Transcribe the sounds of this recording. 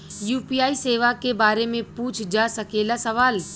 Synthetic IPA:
juːpiːjaːiseːʋakebaːɾemẽpuːt͡ʃʰd͡ʒasɐkeːlasɐʋaːl

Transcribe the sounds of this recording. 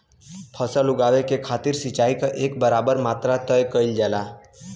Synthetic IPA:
pʰəsəluɡaʋekekʰat̪iɾsit͡ʃaikaʔekbəɾabəɾmat̪ɾat̪əjkəɪld͡ʒɛːla

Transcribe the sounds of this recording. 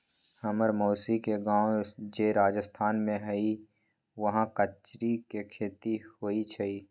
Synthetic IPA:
həməɾmoːsikeɡãːwd͡ʒeːɾaːd͡ʒəst̪ʰaːnmẽɦəi | ʋəɦãkət͡ʃɾikekʰeːt̪ihoːit͡ʃʰəiː

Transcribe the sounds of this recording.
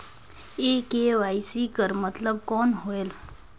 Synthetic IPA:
eːkeʋaːisikəɾmət̪ləb̚kɔːnɦoel

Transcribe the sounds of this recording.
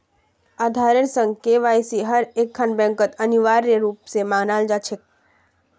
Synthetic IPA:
aːd̪ʱaːɾəɾsə̃ŋɡkeʋaːjsiɦəɾeːkʰːaːnbɛ̃ːŋkət̪əniʋaːɾːeɾuːpsemãɡnaːld͡ʒaːt͡ʃʰek̚

